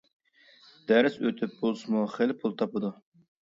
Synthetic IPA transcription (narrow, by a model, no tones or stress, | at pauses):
d̪̥æɾɪsøt̪ʰyp̚bolˠsɨmuχelpʰulˠt̪ʰɑpɨd̪u